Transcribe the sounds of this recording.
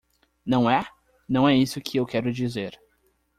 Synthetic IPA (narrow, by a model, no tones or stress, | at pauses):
nɐ̃w̃ɛ | nɐ̃w̃ɛisʊkʰɪewkɛɾʊd͡ʒizeɾ